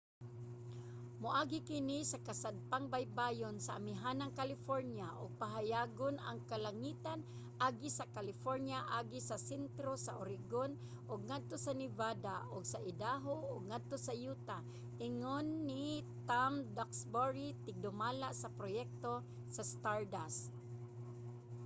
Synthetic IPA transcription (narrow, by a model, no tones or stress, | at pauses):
mʊʔaːɡɪkɪnisakasad̪̚paŋbajbajonsaʔːmɪɦanaŋkalɪfoɾnjaʔʊɡ̚paɦajaːɡona̰ŋkalaŋiːt̪an | ʔaɡisakalɪfoɾnjaʔaɡisasɛnt̪ɾosaʔʊɾɪɡon | ʔʊɡŋad̪̚t̪osanɪvad̪aʔʊɡsaʔɪd̪aɦoʔʊɡ̚ŋad̪̚t̪osajuːt̪a | ʔɪŋonːit̪amd̪aksboɹit̪ɪɡ̚d̪ʊmaːlaʔsɐpɾojɛk̚t̪o | sast̪aɹd̪as